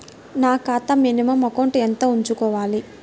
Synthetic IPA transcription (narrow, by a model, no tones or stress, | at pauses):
naːkaːt̪ɐminimɐmɐkoːɳʈient̪oːuɲt͡ʃukɔːʋaːli